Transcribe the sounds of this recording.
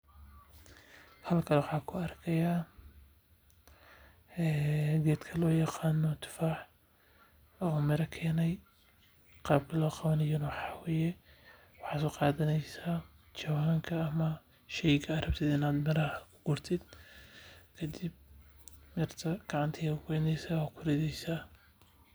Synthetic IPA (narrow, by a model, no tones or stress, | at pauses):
hɐlkʰɐlwɑħɑːkʰʊɐrkʰɐjaː | ɛːɡɛːd̪kʰɐlɔːjɑqɑːnɔt̪ʰɪ̥faːħ | ɐmɪɾɐkʰɛːnɛj | qɑːb̚kʰɐlɔːqɑβɐnɐjʊnwɑħɑːwɛːjɛ | wɑħɑːsʊqɑːðɐnɛjsaː | t͡ʃɐwaːŋkʰɐːmɐ | ʃɛjɡʰɐːrɐb̚t̪ʰɪːd̪ɪnaːd̪mɐɾɐhʊɡ̥ʊrt̪ʰɪd̪ | kʰɐd̪ɪb̚mɪrt̪ʰɐɡ̥ɑʕɑnt̪ʰɐɛʊɡɛːnɛjsaːɔkʰʊɾɛðɛjsaː